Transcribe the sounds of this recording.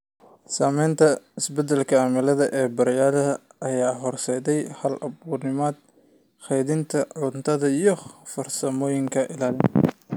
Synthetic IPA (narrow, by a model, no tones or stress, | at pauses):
saːmɛjnt̪ʰɐɪsbɛd̪ɛlkʰɐaːmɪlɐðɐʔɛːbɐɾjaːlɐɐʔɐjaːɦɔrsɛːðɛjhɐlʔɐβuːrnɪmɔːd̪̥̚ | χɛjðɪnt̪ʰɐʕʊnt̪ʰɐðɐijɞfɐrsɐmɔːjɪŋkʰɐʔɪlaːlɪn